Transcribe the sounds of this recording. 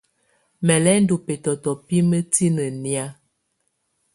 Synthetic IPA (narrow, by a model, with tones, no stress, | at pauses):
mɛ˨lɛ˦n̩˦du˨pɛ˨tɔ˨tɔ˨pi˦mə˦ti˦nə˨nja˦